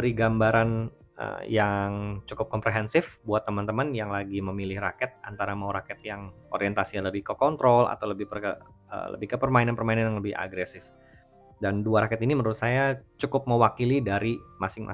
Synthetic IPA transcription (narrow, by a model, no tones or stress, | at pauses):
əɾiɡambaɾan | ʔə̰jaŋt͡ʃukʊp̚kɔmpɾeɦɛnsɪfbuat̪ːəmant̪əmanjaŋlaɡiməmilɪhrakɛt̪̚ʔant̪aɾamauɾakɛt̪̚jaŋ | oɾiɛnt̪asialəbɪhkəkɔnt̪ɾɔla̰t̪awləbɪhpərə | ə̰lə̰bɪhkəpərmainanpərmainanjaŋləbɪha̰ɡɾɛsɪf | danduaɾakɛt̪inimənuɾʊt̪sajat͡ʃukʊp̚məwakilidaɾimasɪŋmʔa̰